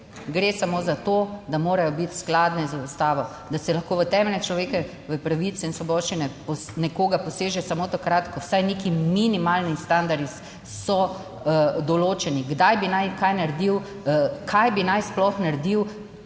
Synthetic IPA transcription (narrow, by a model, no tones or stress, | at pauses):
ɡɾeːsamoːzat̪oːd̪amoːɾajɔbit̪sklaːd̪nɛzaust̪aːʋɔ | d̪asɛlɐxkoːʋət̪ɛmɛlnɛt͡ʃlɔʋeːkɛ | ʋəpɾaʋit̪sɛinsʋɔbɔːʃt͡ʃinɛpɔnɛkoːɡapɔseːʒɛsamoːt̪akɾat̪kɔwsajnekiminimalnist̪and̪aɾi | sɔ | d̪ɔloːt͡ʃɛniɡd̪ajbinajkajnaɾed̪iw | kʰajbinajsplɔxnaɾd̪iw